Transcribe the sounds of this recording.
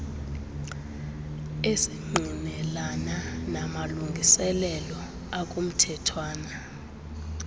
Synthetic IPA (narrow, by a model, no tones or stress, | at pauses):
esiŋ͡ǃʱinɛlananamaluŋɡʱisɛlɛlɔ | akʼum̩tʰɛtʰwaːna